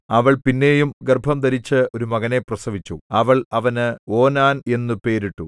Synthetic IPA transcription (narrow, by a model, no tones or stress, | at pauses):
ɐʋɐɭpinːe̞ːjumɡerbʱɐmd̪ɐɾit͡ɕːɨo̞ɾumɐɣɐne̞prɐsɐʋit͡ɕːuɐʋɐɭɐʋɐnɨo̞ːnaːne̞nːupe̞ːɾiʈːu